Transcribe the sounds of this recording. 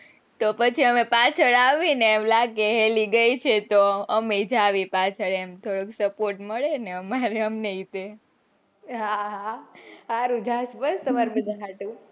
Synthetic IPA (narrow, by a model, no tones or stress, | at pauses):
t̪opət͡ʃʰiəmepat͡ʃʰəɭaʋinemlaɡeɦeliɡəjt͡ʃʰet̪oəmed͡ʒaʋipat͡ʃʰəɭemt̪ʰoɽəksəpoɾʈməɭeneəmaɾeəmneit̪e | ɦaɦaaɾud͡ʒʱaʃbəst̪əmaɾubəd̪aɦaʈũ